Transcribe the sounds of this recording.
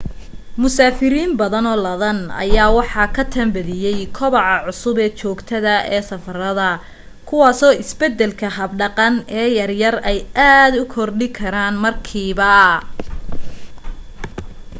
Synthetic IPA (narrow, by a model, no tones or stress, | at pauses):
mʊsaːfɪɾiːnbɐðɐnɔːlɐðɐnɐ̰jaːwɑħɑkʰɐt̪ʰɐmbɐðɪjɛjkʰɔβɑʕɑʕʊsʊbɛːt͡ʃɔːɡt̪ʰɐðɐɛːsɐfɐrɐðɐ | kʰʊwɑːsɔːʔɪsbɛd̪ɛlkʰɐɦɐbɖɑqɑnɛːjɐrjɐrɛjʔaːd̪ʊkʰɔrɖɪkʰɐɾaːnmɐrkʰiːβɐ